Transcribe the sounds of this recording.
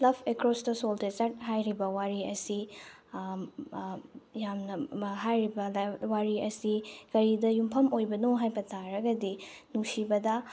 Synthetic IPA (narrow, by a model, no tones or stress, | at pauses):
plɐbʰekɾɔsdɐsoldezɐɾt̚ɦajɾibɐwaɾiɐsi | jamnɐɦajɾibɐlawaɾiɐsikɐɾidɐjumpʰɐmojbɐnoɦajbɐtʰaɾɐɡɐdi | nuŋsibɐdɐ